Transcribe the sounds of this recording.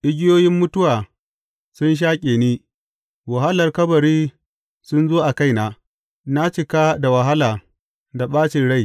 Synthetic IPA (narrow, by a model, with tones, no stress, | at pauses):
ʔɪ˦ɡʲɪ˦joː˦jɪ˦mːʊ˦tʊ˦waː˨ | sʊ˦nʃ̬aː˦kʲʼeː˨niː˦ | wa˨ɦa˦lɐ˨rkɐ˦bɐ˨ɾiː˦ | sʊ˦nzoː˦ʔa˨ka˦˨jna˨ | na˦t͡ʃɪ˨kaː˦da˨wa˨ɦa˦laː˨ | da˨ɓaː˦t͡ʃɪ˨nɽa˦˨j